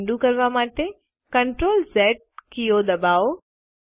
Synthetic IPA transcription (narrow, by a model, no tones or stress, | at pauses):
ɳɖukɐɾʋamaːʈ̪e | kɐɳʈɾoːlzɛːʈ̚kijod̪ɐbaːo